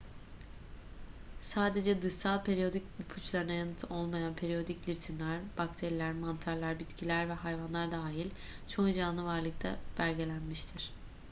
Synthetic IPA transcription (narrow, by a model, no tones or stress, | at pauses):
saːd̪e̞d͡ʒɛd̪ɯʃsalˠpʰe̞ɾijo̞d̪icbupʰut͡ʃlˠaɾɯnajanɯt̪ʰo̞lˠmajanpʰe̞ɾijo̞d̪iclʲiɾt̪ʰinlʲæɾb̥akt̪ʰe̞ɾilʲæɾmant̪ʰaɾlˠaɾbit̪cʰilʲæɾvɛɦajvanlˠaɾd̪aːɦilʲ | t͡ʃʰo̞nid͡ʒanˠɯvaɾlˠɯk̚t̪ʰa̰b̥æɾɟe̞lʲænmiʃt̪ʰiɾ̥